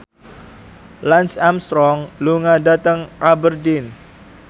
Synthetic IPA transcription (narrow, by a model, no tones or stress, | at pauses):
lansamst̪ɾɔŋluŋadat̪əŋʔabərdin